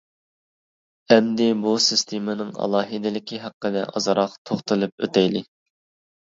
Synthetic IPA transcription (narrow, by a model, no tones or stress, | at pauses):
ɛmd̪ɪbusɨst̪ʰemɨnɨŋɑ̰lˠɑːɦɨd̪ɪlɪkʲʰiɦɑqːəd̪ɛ̰ʔɑ̰zɾɑqt̪ʰoχt̪ʰɨlˠɨp̚ø̰t̪ʰɛjlɪ